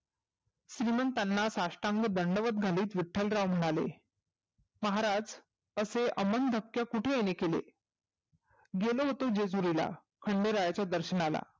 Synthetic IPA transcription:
ɕɾimənt̪anːasaʂʈãŋɡəd̪əɳɖəʋət̪ɡʱaliːt̪ʋiʈʰːəlɾaʋm̤əɽ̃alḛ | məɦaɾad͡z | əseʔəmənd̪ʱəkjakuʈʰejenekelḛ | ɡeloɦot̪od͡ʑed͡zuɾila̰ | kʰəɳɖeɾajat͡ɕjad̪əɾɕəɳala̰

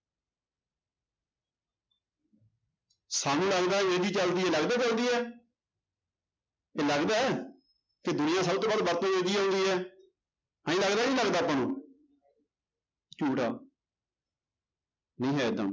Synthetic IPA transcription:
saːnũːləɡd̪aːemẽːd͡ʒiːt͡ʃəld̪iːɛːləɡd̪aːt͡ʃəld̪iːɛː | eːləɡd̪aːɛː | ked̪ʊnɪjãːsəbt̪oːbaːd̪bəɾt̪õːʋeːɡiːɦõːnd̪iːɛː | aːĩːləɡd̪aːnĩːləɡd̪aːpːãːnũː | t͡ʃuːʈa̰ː | nĩːɦɛːd̪ə̰m

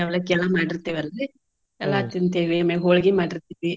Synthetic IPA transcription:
ɛʋlɐkːɛlːamaːɽiɾt̪ːeːʋiɐlːɐi | ɛlːat̪int̪eːʋimeɦoːɭɡimaːɽiɾt̪iːʋi

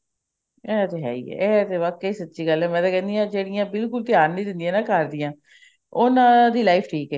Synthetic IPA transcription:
ɛːt̪eːɦɛ̰ːḭːɛ̰ɛːt̪eːʋaːkːiːsətːʃiːɡəlɛːmɛ̃ːt̪aːkɛ̃ːnd̪ijãːd͡ʒeːɽijãːbɪlkʊlt̪ɪjaːɾnĩːd̪ɪ̃nd̪ɪjãːnaːkəɾd̪ɪjãː | ʊnãːd̪iːlaːipʰʈʰiːkɛː

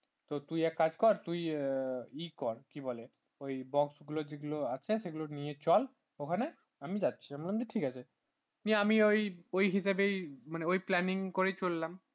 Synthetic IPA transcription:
t̪ot̪ujɛkːad͡ʑkɔɾt̪uj | ikɔɾkibɔle | ojbɔksɡulod͡ʑeɡuloat͡ɕʰeseɡulonijet͡ɕɔl | okʰane | amid͡ʑat̪ːɕʰiambɔlːamd͡ʑeʈʰikat͡ɕʰe | niamiojojɦiʃabejmaneojplɛniŋkoɾet͡ɕolːam

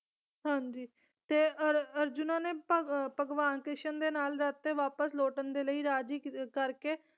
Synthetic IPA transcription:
ɦãːɲd͡ʒiː | t̪eːəɾəɾd͡ʒʊnãːneːpəpəɡʋaːnkɪʃənd̪eːnaːlɾət̪ːeːʋaːpəsloːʈənd̪eːləiːɾaːd͡ʒiːkəɾkeː

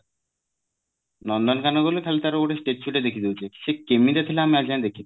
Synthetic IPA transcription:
nɔnɖɔnkanɔɡolek̪ʰalit̪aɾoʈesʈeʈsuʈed̪ekʰid̪ewt͡ɕʰeki̥sekemid̪at̪ʰileamiad͡ʒiand̪ekʰit̪

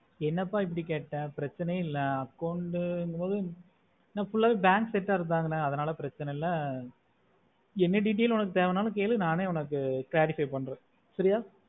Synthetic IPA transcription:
ɛnːɐpːaːɪpːɐɽikeːʈːɛ̃ːpɪɾɐt͡ʃːɐnɐɪlːɐɐkːɐʊɳɖɯɪŋɡɐpoːðɯ | nãːfʊɭːaːʋeːbaːŋksɛʈːaːɪɾɯnd̪aːŋɡɐnːɐɐðɐnaːlɐpɪɾɐt͡ʃːɐnɐlːɐ | ɛnːɯɖiːʈ̬eːlʊnɐk̬ːɯt̪eːʋɛnaːlɐ̃keːlɯnaːneːʊnɐk̬ːɯkɪlaːɾɪfɐɪpɐɳːɾẽː | sɐɾɪjaː

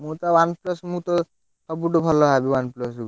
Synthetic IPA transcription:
mut̪ɔwanplɔsmũt̪ɔ | sɔbuʈɔbʱɔlɔɦabiwanplɔs

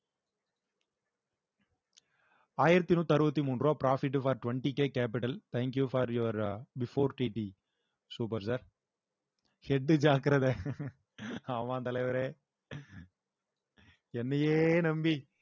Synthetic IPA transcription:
aːjɪɾɐt̪ːinuːt̪ɐɾɯbɐt̪ːimuːndroːpɾaːfɪʈ̬ːfaːɾʈʋɐɳʈikeːkeːp̬ɪʈɐlt̪ʰɛːŋkjufaːɾjuʋɾbɪfoːɾʈiːʈi | suːpɐɾsɐɾ | hɛɖːɯd͡ʒaːkɪɾɐðɐ | aːmãːt̪ɐlɐɪʋɐɾeː | ɛnːɐjeːnɐmbi

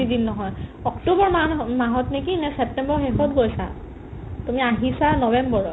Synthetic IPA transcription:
idinːɔɦɔjɔktobɔɹmamaɦɔtnikinɛsɛp̚tɛmbɔɹxexɔtɡojsa̰ | tumiaɦisanɔbɛmbɔɹ

